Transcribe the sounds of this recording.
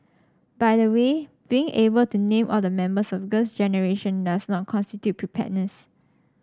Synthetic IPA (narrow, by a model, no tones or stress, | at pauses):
baɪdəweb̥iɪ̃ŋebəltunẽmʔɔldəmɛ̃mbəsɔfɡəsd͡ʒɛnəɹeʃə̃ndasnɔt̚kʰɔ̃nstitjut̚pʰɹipʰɛ̰ʔnəs